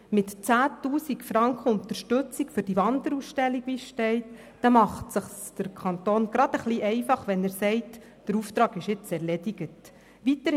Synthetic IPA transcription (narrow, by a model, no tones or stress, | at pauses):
mɪtt͡sæːtuːsikfɾɑŋkχəʊnt̪əɾʃtɵt͡sikfɵɾd̥iʋɑnd̪əɾusʃtɛlːiɡʋisʃtɛɪt | d̥ɑmɑχtsəχsd̥əɾkʰɑnt̪oːnɡ̥ɾɑd̥̪əχliʔɛɪfɑχʋɛnæɾsɛɪt | d̥əɾuft̪ɾɑːɡɪʃjɪt͡sɛɾlediɡət | ʋit̪ə